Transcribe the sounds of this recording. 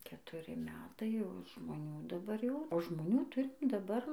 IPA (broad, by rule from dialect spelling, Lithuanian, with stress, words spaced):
kʲɛtʊˈrʲɪ ˈmʲæːtɐɪ jɛʊ ʒmoːˈnʲuː dɐˈbɐr jɛʊ oː ʒmoːˈnʲuː ˈtʊrʲɪm dɐˈbɐr